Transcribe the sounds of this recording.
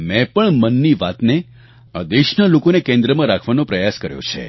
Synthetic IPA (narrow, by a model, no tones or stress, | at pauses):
mɛ̃pəɳmənːiʋat̪ne | əd̪eʃnalokonekẽnd̪ɾəmãɾakʰʋanõpɾəjaskəɾjõ̰t͡ʃʰḛ